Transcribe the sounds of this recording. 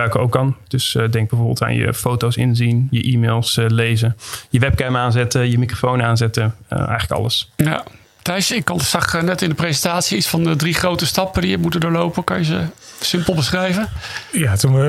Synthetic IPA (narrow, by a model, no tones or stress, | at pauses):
aɥkəowkand̥øsdɛŋɡ̚bɛjvoːɹbɪ̰lˠta̰ːnjə̰fowtowsɪ̰nzinjəʔiːmeːlˠslejzəjəʋɛp̚kɛmaːnzɛtəjəmikrofownaːnzɛtəə̰ʔɛ̰jχələkɑ̰ləsja̰ | tɛjsɪkːɑnsɑχnɛtɪndəprezəntaːtsiitsfɑndədriχrowtəstɑpədijəmutədʊːlowpəkɑnjəzəsɪmpəl̩ˠbəsχrɛjvənjatu